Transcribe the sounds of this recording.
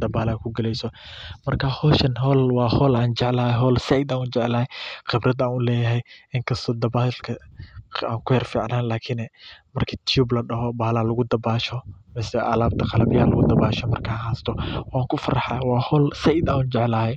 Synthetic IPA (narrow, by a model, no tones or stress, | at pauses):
d̪̥ɐbaːlaːkʰʊɡɐlɛjsɔ | mɐrkʰahɔːʃɐnɦɔːlwɑːhɔːlaːnt͡ʃɛʕlɐhɛɦɔːlsɛʔid̪aːnuːt͡ʃɛʕlɐːhɛjqɪbɾɐd̪aːnʊlɛːjɐɦɛjɪŋkʰɐst̪ʰɔːd̪ɐbaːlkʰɐ | aːŋkʰʊhɛrfiːʕnaːnlaːkʰɪnɛmɐrkʰɐt̪ʰjuːblɐɖɐɦɔbaːlaːlʊɣʊd̪ɐbaːʃɔmɛːsɛʔa̰ːlaːb̚t̪ʰɐqɑlɐbɪjɐlɐɣʊd̪ɐbaːʃɔmɐrkʰaːhaːst̪ʰɔwaːŋkʰʊfɐɾɑħa̰jwɑːhɔːlsɛʔɪd̪aːnuːnt͡ʃɛʕlahɛj